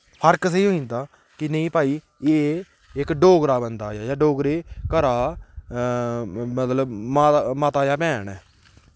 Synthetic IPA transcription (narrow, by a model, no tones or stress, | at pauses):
pʰəɾks̬eiːɦoːĩnd̪aː | kɪnə̃ĩːpaːiː | eː | ɪkɖoːɡɾaːbənd̪aːjaːjaːɖoːɡɾeːkəɾaː | mət̪ləbmaːmaːt̪aːjaːpɛːnɛː